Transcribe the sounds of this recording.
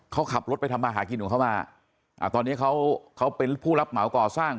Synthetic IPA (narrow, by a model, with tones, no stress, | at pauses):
kʰa˦˥wkʰa˨˩p̚ɾo˦˥t̪̚a˧jt̪ʰa˧mːaː˧ɦaː˩˦k̬i˧nːʔuː˨˩kʰa˥˩maː˧ | ʔa̰˨˩t̪ɔː˧nːi˦˥˩kʰa˦˥wkʰa˦˥wpe˧npʰuː˥˩la˦˥p̚ma˨˩˦wkɔː˨˩saː˥˩ŋ